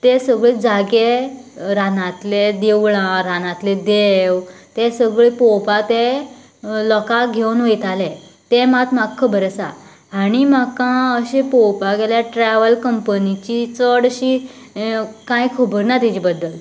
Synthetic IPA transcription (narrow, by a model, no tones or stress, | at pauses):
t̪esəɡɭed͡zaɡeɾanãt̪led̪eʋɭãɾanãt̪led̪ew | t̪esəɡɭepɔwpat̪e | lɔkaɡʱewnʋəjt̪alẽt̪emat̪makʰːəbəɾsa̰ː | ɽ̃imakãəɕepowpaɡeljaʈɾɛʋəlkəmpənit͡ɕit͡səɽɕi | kãjkʰəbəɾnat̪id͡ʑibəd̪ːəl